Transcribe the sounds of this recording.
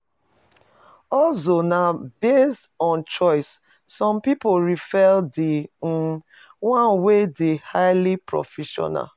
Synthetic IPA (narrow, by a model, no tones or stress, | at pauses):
ɔlsonabestɔ̃nt͡ʃɔɪsː | ɔ̃mpipoɹifɛldi | wãnwedehaɪlipɹɔ̰fɛʃɔ̰na̰l